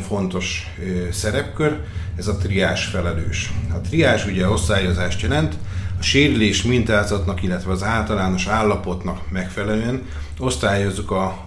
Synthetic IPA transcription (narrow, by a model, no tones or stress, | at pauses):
ɱfo̞nt̪o̞ʃ | sɛɾɛpkøɾ | ɛzɒt̪riaːʃfɛlɛløːʃɒt̪riaːʃuɟɛo̞st̪aːjo̞zaːʃt̪jɛlɛnt̪ɒʃeːɾyleːʃmint̪aːzɒt̪nɒkilːɛt̪ʋɛɒzaːlt̪ɒlaːno̞ʃaːlːɒpo̞t̪nɒkmɛkfɛlɛløːɛn | o̞st̪aːjo̞zːukɒ